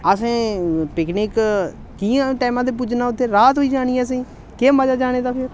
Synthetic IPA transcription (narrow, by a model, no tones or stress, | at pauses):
əsẽːpɪknɪːk | kiːãːʈɛːmãːd̪eːp̬uːd͡ʒnaːʊt̪ʰːeːɾaːt̪ɦoiːd͡ʒaːɽ̃iːɛːəs̬ĩː | keːməd͡ʒaːd͡ʒaːɽ̃eːd̪aːpʰɪɾ